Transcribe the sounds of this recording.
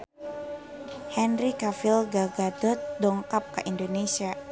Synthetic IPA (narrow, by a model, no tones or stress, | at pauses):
hɛnrikafilɡaɡadɔt̪̚dɔŋkap̚kə̰ʔindonesia